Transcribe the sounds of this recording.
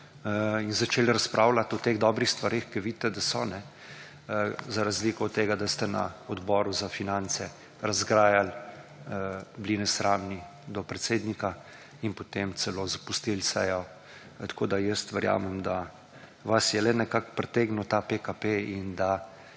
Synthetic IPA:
inzat͡ʃeːlɾaspɾʔaːwlat̪ɔt̪eɣd̪ɔːbɾixst̪ʋaɾexkiʋid̪t̪ːɛd̪asɔnɛ | zaɾazliːkɔɔt̪ːeːɡad̪ast̪ɛna̰ɔd̪bɔːɾuzafinant̪sɛ | ɾazɡɾaːjal | bliːnɛsɾaːmni | d̪ɔpɾɛt̪seːd̪nika | inpɔt̪emt̪sɛlozapust̪ilsɛ̰jɔ | t̪ḁkod̪ajəst̪ʋɛɾja̰ːmɛmd̪a | ʋasjɛlɛnɛkakpɾɛt̪eːɡnut̪apekapeind̪a

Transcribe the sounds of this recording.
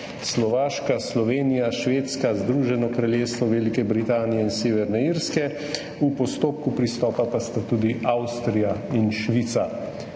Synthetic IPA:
slɔʋaːʃkaslɔʋeːnijaʃʋeːt̪skazd̪ɾuʒɛnɔkɾaljeːst̪ʋɔʋelikɛbɾit̪aːnijɛinseːʋɛɾnɛiːɾskɛ | upɔst̪oːp̚kupɾist̪ɔːpapast̪at̪uːd̪iʔawst̪ɾijainʃʋit̪sa

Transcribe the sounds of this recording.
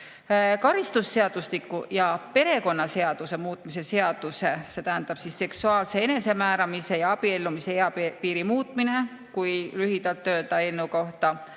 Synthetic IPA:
kɑɾist̪usːe̞ɑd̪̥uslikːˑujɑpe̞ɾe̞ko̞nːɑse̞ɑd̪̥use̞muːt̪mise̞se̞ɑd̪̥use̞se̞t̪æɦænd̪̥ɑb̥sisːe̞ksuɑːlse̞e̞ne̞se̞mæːɾɑmise̞jɑɑb̥ie̞lːumiseeɑppiːɾimuːt̪ˑmine̞ | kujlyɦid̪̥ɑlt̪ːø̞ːd̪̥ɑe̞nːuko̞ht̪ɑ

